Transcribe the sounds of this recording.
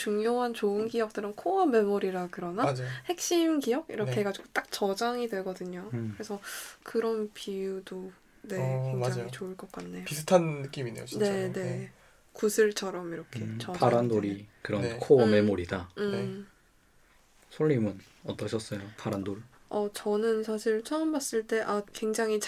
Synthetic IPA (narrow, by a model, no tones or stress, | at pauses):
t͡ɕuŋjoɦant͡ɕoɯnɡijʌk̚t͈ɯɾɯnkʰoʌme̞moɾiɾakɯɾʌnaad͡ʑhe̞k̚ɕ͈imkijʌɡḭɾʌkʰeɡad͡ʑiɡot͈ak̚t͡ɕʌd͡ʑaŋidwe̞ɭɡʌdɯɲokɯɾe̞sʰʌkɯɾʌnpijudo | ne̞keŋd͡ʑaŋit͡ɕoɯɭk͈ʌk͈anːe̞joisʰɯtʰannɯk͈imine̞̰jot͡ɕine̞ne̞ | kusʰɯɭt͡ɕʰʌɾʌmiɾʌkʰe̞t͡ɕʌaɾandoɾikɯɾʌnkʰoʌmemoɾidaɯe | sʰoʎːimɯn | ʌt͈ʌɕʰʌs͈ʌjopʰaɾandoɭ | ʌt͡ɕʌnɯnsʰaɕʰiɭt͡ɕʰʌɯmbas͈ɯɭt͈e̞ʔakwe̞ŋd͡ʑaŋɦit͡ɕ